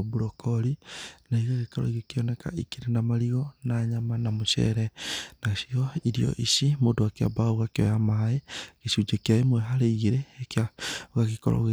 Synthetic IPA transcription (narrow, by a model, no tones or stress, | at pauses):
βuɾɔkʰɔɾinaiɣaɣekaɾo̰iɣikiɔneka̰ʔikiɾenamaɾiɣɔnaɲamanamoʃɛ̰ɾɛnaʃioiɾio̰ʔiʃimodoakja̰baoɣakiojamaeɣesud͡ʒekjaemwɛɦaɾeiɣiɾeːkjaɣaɣikɔ̰ɾo̰ɣe